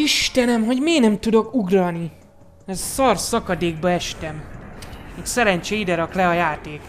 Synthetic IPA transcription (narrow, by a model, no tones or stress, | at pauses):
iʃt̪ɛnɛmɦo̞ɟmeːɡnɛmt̪ud̪o̞kuɡrɒni | ɛzsɒrsɒkɒd̪eːɡ̚bɒɛʃt̪ɛm | meːksɛɾɛɲt͡ʃeid̪ɛɾɒklɛɒjaːt̪eːk